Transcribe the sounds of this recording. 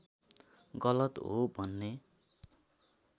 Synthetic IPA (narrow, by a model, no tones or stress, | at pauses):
ɡʌlʌt̪ɦobʱʌnːe